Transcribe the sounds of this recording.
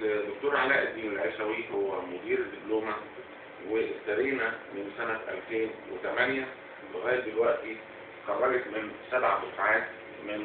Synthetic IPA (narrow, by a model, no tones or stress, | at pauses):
d̪ok̚t̪oːɾʕalæːʔed̪ːiːnelʕeʃæwihowːæmod̪iːɾed̪ːibloːmæ | weʔsːæɾiːnæmensænæʔæ̰lfeːnwḛt̪æmænjæ | beɣæːɾb̪elwæʔt̪i | qærˤːɑlet̪mensæbʕasosʕaːt̪ | men